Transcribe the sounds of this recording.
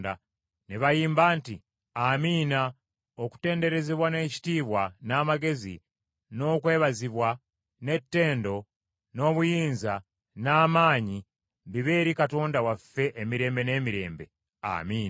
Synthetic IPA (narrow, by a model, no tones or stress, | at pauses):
da̰ | neβajiːmbaːnti | amiːna | o̞ku̥te̞ːnde̞ɾe̞zeβwane̞ːci̥tiːβwanaːmaɡe̞zḭ | no̞ːkwe̞ːβaziβwa | ne̞tːe̞ːndo̞ | no̞ːβujiːnza | naːmaːɲi | βiβe̞ːɾikato̞ːndawafːe̞ʔːmiɾe̞ːmbe̞ne̞ːmiɾe̞̰ːmbe̞̰ | a̰miːn